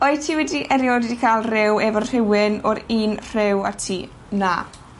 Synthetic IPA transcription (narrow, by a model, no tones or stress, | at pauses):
ɔɨtʰiːwɛdiʔɛɾjɔdwɛdikʰalˠrɛwɛvɔnr̥ɪwɪnɔɾiːnr̥ɪwa̰tʰiː | na